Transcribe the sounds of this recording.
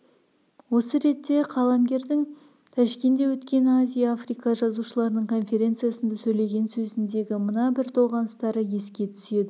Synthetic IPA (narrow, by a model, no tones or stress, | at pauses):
wo̞səɾe̞t̪ːe̞qʰɑlˠɑmɡʲe̞ɾd̪ɪŋ | t̪ʰæʃkʲe̞nd̪e̞wɵt̪kʲe̞nazʲijaːfrijkɑʒɑzuʃəlˠɑɾənəɴkʰo̞nfʲe̞ɾʲe̞nt̪sɨjasənd̪ɑsɵjle̞ɡʲe̞nsɵzɪnd̪e̞ɡʲɪmənɑbɪɾt̪ʰo̞ʁɑnəst̪ɑɾəje̞skʲe̞t̪ʰʏ̥se̞d̪ɪ